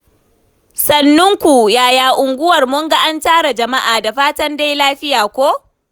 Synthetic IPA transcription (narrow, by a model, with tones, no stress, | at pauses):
sɐ˨nːʊ˦ŋkʷu˨jaː˨jaː˨ʔʊ˨ŋɡʷʊ˦wɐ˨rmʊ˦ŋɡa˦ʔa˦ntaː˦ɽa˨d͡ʒɐ˨ma˦ʔaː˨da˨ɸaː˦tɐ˦nda˦jlaː˦ɸɪ˦jaː˨kʷoː˦